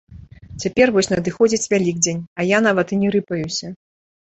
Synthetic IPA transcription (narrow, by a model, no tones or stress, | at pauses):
t͡sʲapʲɛrvɔsʲnɐd̪ɨxɔd͡zʲit͡sʲvʲalʲiɡ̚d͡zʲenʲɐjan̪avɐt̪ɨnʲɛɾɨpɐjusʲɐ